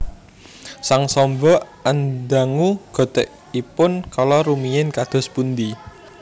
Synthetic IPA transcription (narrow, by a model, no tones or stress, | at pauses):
saŋsɔmbɔ | and̪aŋuɡ̥ɔ̤t̪ɛʔ | ipʊnkalɔɾumijɪnkad̪̥ɔ̤spund̪i